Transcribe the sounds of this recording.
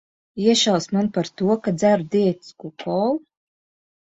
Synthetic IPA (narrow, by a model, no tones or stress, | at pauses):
iɛʃawsmanpaɾt̪uɔkazæɾd̪ʲiɛt̪skukʰɔlˠ